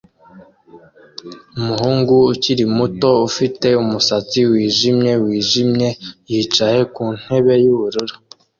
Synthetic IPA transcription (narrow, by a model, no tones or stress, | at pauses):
umuhuːŋɡuːciɾimuto̞ufite̞umusat͡siwiːʒimɲe̞wiːʒimɲe̞jiːt͡ʃaje̞kuːn̥he̞βe̞juβuɾuɾu̥